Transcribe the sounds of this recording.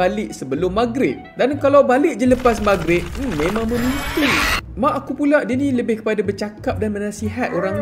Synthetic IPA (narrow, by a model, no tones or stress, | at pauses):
alɪʔsəbəlʊmːaɡɾɪt̪̚dankalawbalɪʔ̚d͡ʒələpas̬maɡɾɪt̪̚m̩mẽmãŋmə̃nut̪umaʔːkupulaʔdinĩləbɪhkə̥padabərt͡ʃakap̚danmənasiɦat̪oɾaŋ